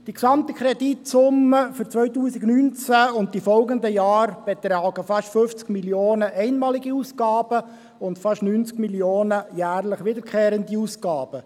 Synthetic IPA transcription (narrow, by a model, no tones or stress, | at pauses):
d̥iksɑmt̪ikχɾɛditsʊməfʏɾt͡sʋœʏtuːsiɡnynt͡sæʊnt̚ifɔlɡənd̪əjɑːɾb̥et̪rɾɑːɡəfɑʃtføft͡skmiljoːnəʔɛɪnmɑːliɡiusɡɑːb̥ə | ʊntfɑʃnyːnt͡skmilioːnəjæːrləχʋɪdəɾkχeːɾəndiuːsɡɑːb̥ə